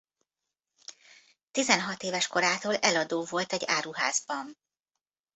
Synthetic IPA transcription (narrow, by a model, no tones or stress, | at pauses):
t̪izɛnɦɒt̪eːvɛʃko̞ɾaːt̪oːlɛlɒd̪oːvo̞lt̪ɛɟːaːɾuɦa̰ːzbɒn